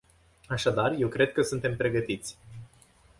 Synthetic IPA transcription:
aʃad̪arje̞wkɾe̞d̪̚kəsunt̪e̞mpɾe̞ɡət̪it̪sʲ

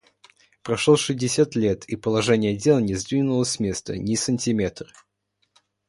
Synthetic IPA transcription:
pɾɐʂlˠoʂɨzʲdʲɪsʲat̪lʲe̞t̪ʰipəlˠɐʐɛnʲɪjəɐdʲe̞lˠnʲɪzd̪vʲinʊlˠəsʲsmʲe̞st̪ənʲɪsənʲtʲɪmʲe̞t̪rɨ

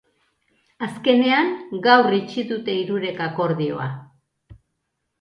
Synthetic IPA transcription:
aske̞ne̞aŋɡawrit͡ʃiðut̪e̞iɾuɾe̞kako̞ɾðio̞̰a̰

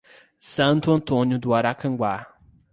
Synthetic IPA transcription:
sɐ̃nt̪ʊɐ̃nt̪õnjʊd̪ʊaɾakɐ̃ŋɡwa

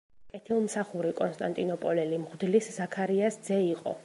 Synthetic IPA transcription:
kʼɛt̪ʰilˠmsaχuɾikʼɔnst̪ʼant̪ʼinɔpʼɔlɛlimʁd̪liszakʰaɾiasd̪zɛiqʼɔ̰

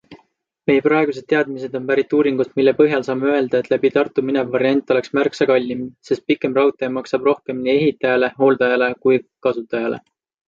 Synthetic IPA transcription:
me̞jeprɑe̞ɡ̥us̬e̥t̪eɑd̪mis̬e̞d̪̥o̞npæɾit̪ːˑuːɾiŋɡ̥usmilːe̞pɤɦjɑlsɑːmeøe̞ld̪ɑe̞t̪læbit̪ɑrt̪ˑːuminevːɑɾiɑnʲt̪ːˑo̞le̞ksmærksɑkɑlʲːimse̞st̪̚pikːˑe̞mrɑwt̪ːˑemɑksɑb̥ro̞hke̞mnie̞ɦit̪ːˑɑjɑle̞ɦo̞ːld̪ɑjɑle̞kujkɑsut̪ːˑɑjɑle̞̰

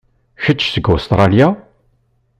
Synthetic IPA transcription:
çət͡ʃːsəɡost̪ɾˤɑlja

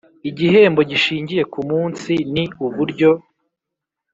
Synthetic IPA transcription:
iɟiɦe̞ːmbo̞ɟiʃiːɲɟije̞kumuːnsiniuβuɾɟo̞

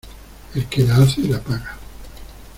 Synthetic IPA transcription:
elkelaaθelapaɣa

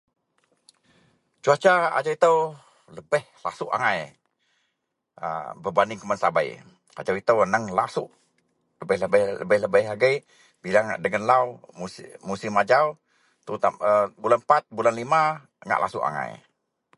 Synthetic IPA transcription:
t͡ʃuat͡ʃaa̰d͡ʒawit̪əw | ləbəhla̰suʔa̰ŋaj | ə̰bəbanɪŋkəmansaba̰j̰ | a̰d͡ʒawit̪əwnəŋlasuʔ | ləbəhləbəhə̰bəhləbəhaɡəj | bilaŋʔdəŋənlawumusɪmad͡ʒaw | t̪ut̪aəbulanpat̪̚bulanlima | ŋa̰ʔla̰sṵʔa̰ŋa̰j

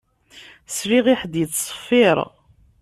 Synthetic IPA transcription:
sɾiʁiħd̪jət͡sːˤə̥fːiɾˤ

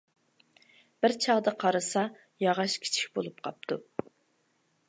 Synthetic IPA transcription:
b̥ɪɾt͡ʃʰɑʁd̪əqʰɑɾɨsɑ | jɑʁɑʃkʲʰi̥t͡ʃʰi̥kʲbolˠupqʰɑ̰p̚t̪ʰu

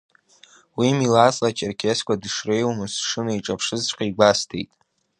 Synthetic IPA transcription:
wimilat͡sʼlat͡ʃʰʼerkʲʰeskʷʰʼadʂrejwmɨsʂɨnaiʈ͡ʂʼapʰʂɨzt͡ʃʷʼqʲʼaiɡʷastʰḛjtʼ

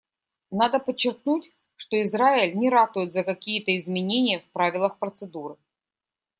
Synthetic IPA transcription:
nad̪əpət͡ɕːɪrknutʲ | ʂt̪oɪzɾaɪlʲnʲɪɾat̪ʊjɪt̪zəkɐkʲijət̪əɪzmʲɪnʲenʲɪjəfpɾavʲɪlˠəxpɾət̪sɨd̪uɾɨ

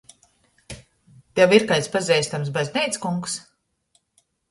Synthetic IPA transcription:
t̪ɛwiɾkajt̪spazʲɛjsʲt̪ams̬bazʲnʲɛjt̪skuŋks

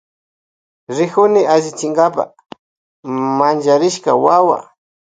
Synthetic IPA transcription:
ɾɪkʊnɪaʒɪt͡ʃɪŋɡapa̰ | mand͡ʒaɾɪʃkawawa̰

